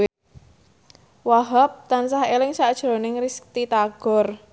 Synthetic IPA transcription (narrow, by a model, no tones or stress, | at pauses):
waɦap̚t̪ansahelɪŋsaʔd̥ʒ̥ɾo̤nɪŋriskt̪it̪aɡ̥ɔ̤r